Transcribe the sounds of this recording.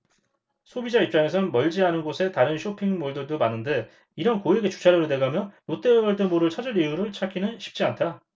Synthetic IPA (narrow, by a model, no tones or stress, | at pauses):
sʰobid͡ʑaip̚t͡ɕ͈aŋe̞s̬ʰʌnmʌʎd͡ʑiɦanɯnɡosʰe̞taɾɯnɕʰopʰiŋmoɭdɯɭdomanːɯnde̞ | iɾʌnkoeɡe̞t͡ɕu̥t͡ɕʰaɾʌɾode̞ɡamjʌnjot͈e̞wʌɭdɯmoɾɯɭt͡ɕʰad͡ʑɯɾijuɾɯɭt͡ɕʰakʰinɯnɕʰi̥p̚t͡ɕ͈iantʰa